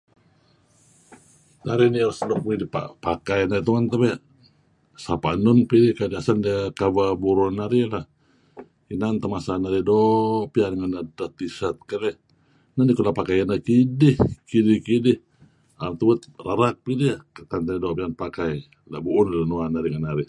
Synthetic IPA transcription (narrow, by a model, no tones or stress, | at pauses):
naɾiniaɾslokuidipa̰pakajanait̪uŋant̪abɛ | sapaʔnunpidihkadiasandikababuɾunaɾilah | inant̪amasanaɾidopianŋanadat̪isat̪̚kaɾɛ | nanikulapakajanakidɪhkidihkidɪh | at̪uwət̪̚raɾak̚pidiat̪ant̪aidoʔpianpakaj | labuːnlanuanaɾiŋanaɾi